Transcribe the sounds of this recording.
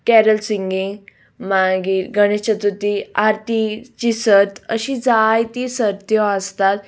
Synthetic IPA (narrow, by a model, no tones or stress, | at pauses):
kɛɾəlsiŋɡĩŋ | maɡiːɾɡəɽ̃et͡ɕət̪ut̪iaɾt̪it͡ɕisət̪əɕid͡zajt̪isəd̪jɔəst̪at̪